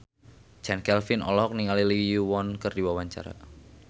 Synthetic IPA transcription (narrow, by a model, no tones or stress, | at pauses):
t͡ʃɛnkɛlfinɔ̰lɔɦɔk̚niŋaliliijuwɔnkɨrdiwawaɲt͡ʃa̰ɾa̰